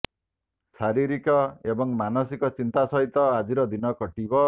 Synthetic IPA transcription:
saɾiɾikʌebʌŋmanʌsikɔt͡sint̪asʌɦit̪ːʌad͡ziɾʌd̪inʌkʌʈibʌ

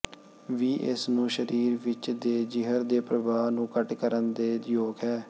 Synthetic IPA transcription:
ʋiːʔɪsnũːʃəɾiːɾʋɪt͡ʃd̪eːd͡ʒɪɦəɾd̪eːpɾəʋaːnũːkəʈkəɾənd̪eːd̪joːɡɦɛː

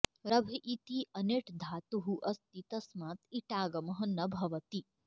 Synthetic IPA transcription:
ɾɐbʱiʔit̪iɐneːʈd̪ʱaːt̪uɦuʔɐst̪it̪ɐsmaːt̪iʈaːɡɐmɐɦɐnːɐbʱɐʋɐt̪i

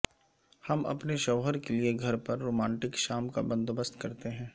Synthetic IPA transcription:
hɐmɐ̰pneʃɐʊɦəɾkelieɡʱɐɾpɐɾːoːmãːɳʈɪkʃaːmka̰bɐ̃nd̪obəst̪kɐɾt̪eɦɛ̃ː

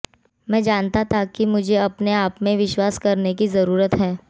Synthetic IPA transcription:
mɛ̃ːd͡ʒaːnt̪at̪ʰakimʊd͡ʒʱeɐpneaːpmẽʋɪʃwaːskɐɾnekizɐɾuːɾət̪ɦɛː

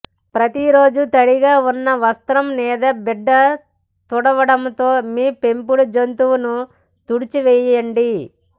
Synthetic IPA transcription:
pɾɐt̪iɾo̞ːd͡ʒut̪ɐɽiɡaːunːɐʋɐst̪ɾɐmnɛːd̪ɐbiɖːɐ | t̪uɽɐʋɐɽɐmt̪o̞ːmiːpe̞mpuɽud͡ʒont̪uʋunu | t̪uɽit͡ʃiʋɛjɐɳɖi

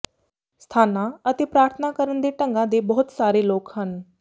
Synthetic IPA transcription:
st̪ʰaːnãːət̪eːpɾaːɾt̪ʰənaːkəɾənd̪eːʈə̃ŋɡãːd̪eːbɔɦʊt̪saːɾeːloːkɦən

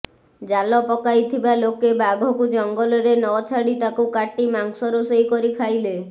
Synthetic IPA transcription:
d͡ʒalɔpɔkajt̪ʰibalokebaɡʱɔkud͡ʒɔŋɡɔlɔɾenɔt͡ʃʰaɽit̪akukaʈimaŋsɔɾosejkɔɾikʰajle

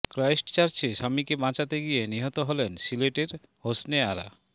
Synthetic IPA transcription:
kɾajsʈt͡ɕaɾt͡ɕeʃamikebãt͡ɕat̪eɡijeniɦɔt̪oɦolensileʈeɾ | hosneaɾa̰

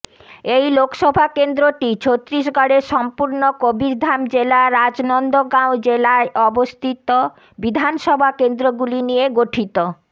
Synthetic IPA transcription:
ejlokʃɔbʱakend̪ɾoʈit͡ɕʰot̪ːɾiʃ̬ɡaɽeʃɔmpuɾnokobiɾd̪ʱamd͡ʑelaɾad͡ʑnɔnd̪oɡãod͡ʑelaeʔɔbost̪ʰit̪o | bid̪ʱanʃɔbʱakend̪ɾoɡulinijeɡoʈʰit̪o

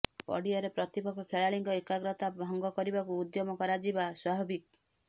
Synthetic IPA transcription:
pɔ̰ɽiɔɾepɾɔt̪ipɔkʰːɔkʰeɭaɭiŋɡɔekaɡɾɔt̪abʱɔŋɡɔkɔɾibakuːd̪jɔmɔkɔɾad͡ʒibasaɦɔbik̚

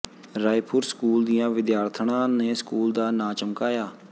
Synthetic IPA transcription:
ɾaːipʰʊɾskuːld̪ijãːʋɪd̪jaːɾt̪ʰəɳ̃ãːneːskuːld̪aːnãːt͡ʃəmkaːjaː

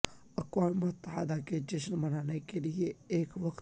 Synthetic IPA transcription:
ɐkwaːmʊt̪ːəɦa̰d̪aked͡ʒeʃənmɐnaːnekelieeːkʋɐkt̪

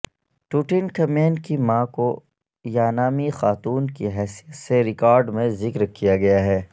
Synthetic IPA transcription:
ʈuːʈɪnkɐmeːnkimãko | jaːnaːmixaːt̪uːnkiɦɛːsijət̪seɾɪkaːɾɖmẽzɪkɾkijaɡɐjaɦɛː

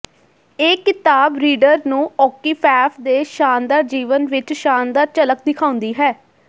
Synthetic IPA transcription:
eːkːɪt̪aːbɾiːɖəɾnũːɔːkːiːpʰɛːpʰd̪eːʃaːnd̪aːɾd͡ʒiːʋənʋɪt͡ʃʃaːnd̪aːɾt͡ʃələk̚d̪ɪkʰaːʊ̃nd̪iːɦɛː

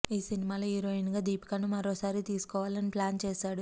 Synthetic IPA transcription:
iːsinimaːloɦiɾoːinɡaːd̪iːpi̥kɐnumɐɾoːsaːɾit̪iːsu̥kɔːʋaːlɐniplaːnt͡ʃɛːʃaːɽu

